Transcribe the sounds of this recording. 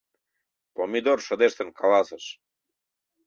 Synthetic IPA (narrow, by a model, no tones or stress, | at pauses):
pomid̪oɾʃə̆d̪eʃt̪ə̆nkʰalɑsəʃ